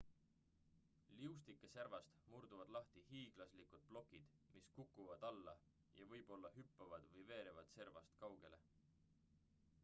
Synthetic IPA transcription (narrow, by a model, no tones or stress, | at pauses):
liust̪ikːˑeservɑst̪murd̪̥uvɑd̪̥lɑht̪ihiːɡ̥lɑslikud̪̥̚b̥lo̞kːˑid̪̥ | miskukːˑuvɑd̪̥ɑlːɑ̰ | jɑvɤjb̥o̞lːɑhypːɑvɑd̪̥vɤjve̞ːɾevɑd̪̥se̞rvɑst̪kɑwɡ̥e̞lʔe̞